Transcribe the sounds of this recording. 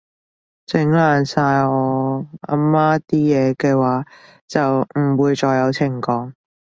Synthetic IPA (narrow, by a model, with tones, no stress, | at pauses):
t͡sɪ˨˥ŋlaː˨˩nsaː˧jɔː˨˧a̰ː˧˥mmːaː˥t̪iː˥jɛː˨˧kɛː˧waː˨˥ | t͡sɐ˨wm̩˨˩wuː˨˧jt͡ʃɔː˧jːɐ˨˧wt͡sʰɪ˨˩ŋkɔː˨˧˥ŋ